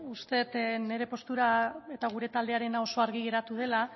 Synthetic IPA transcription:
ust̪e̞t̪ne̞ɾe̞po̞st̪uɾae̞t̪aɣ̞uɾe̞t̪ald̪e̞aɾe̞nao̞so̞aɾɣiɣ̞e̞ɾat̪uð̞e̞la

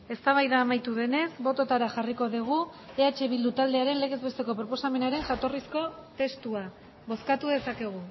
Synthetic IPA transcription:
e̞st̪aβajðaːmajt̪uðe̞ne̞sbo̞t̪o̞t̪aɾaʝariko̞ðiɣ̞u | e̞at͡ʃe̞βild̪ut̪ald̪e̞aɾe̞nle̞ɣ̞e̞zβe̞st̪e̞ko̞pɾo̞po̞same̞naɾe̞ŋʝat̪o̞risko̞t̪e̞st̪ua | βo̞skat̪uðe̞sake̞ɣ̞u

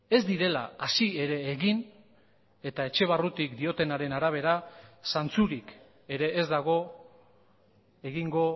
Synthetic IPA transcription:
e̞zd̪iɾe̞laasie̞ɾe̞ːɣin | e̞t̪ae̞t͡ʃe̞β̞arut̪ikd̪io̞t̪e̞naɾe̞naɾaβ̞e̞ɾasant͡suɾik | e̞ɾe̞ʔːzd̪aɣ̞o̞ | e̞ɣiŋɡo̞

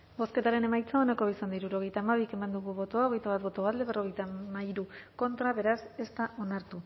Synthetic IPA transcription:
bo̞ske̞t̪aɾe̞ne̞majt͡saonako̞βisand̪aiɾuɾo̞ɣe̞jt̪aːmaβ̞ike̞mand̪uɣuβo̞t̪oaoɣe̞jt̪aβat̪̚βo̞t̪o̞βald̪e̞βe̞ro̞ɣ̞e̞jt̪amaiɾuko̞nt̪ɾaβe̞ɾase̞st̪aʔo̞naɾt̪u

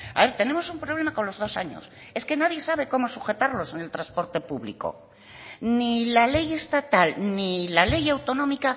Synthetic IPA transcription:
a̰βeɾt̪e̞nẽ̞mo̞sumpɾo̞β̞le̞mako̞nlo̞zð̞o̞saɲo̞̰s | e̞ske̞naðje̞saβ̞e̞ko̞mo̞suxe̞t̪aɾlo̞se̞ne̞lt̪ɾaspo̞ɾt̪e̞puβlḭko̞̰ | nilale̞je̞st̪at̪alnilale̞jawt̪o̞nõ̞mika

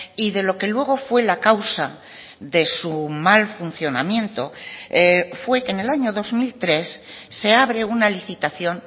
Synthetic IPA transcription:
iðe̞lo̞ke̞lwe̞ɣ̞o̞fwe̞lakawsa | ðe̞sumalfun̟θjo̞namjẽ̞nt̪o̞ | fwe̞kene̞laɲo̞ðo̞zmilt̪ɾe̞sːe̞aβɾe̞unaliθit̪aθjo̞n

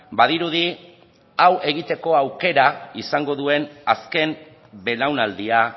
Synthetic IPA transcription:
baðiɾuði | awe̞ɣ̞it̪e̞ko̞awke̞ɾaisaŋɡo̞ðue̞naske̞m | be̞lawnald̪ia

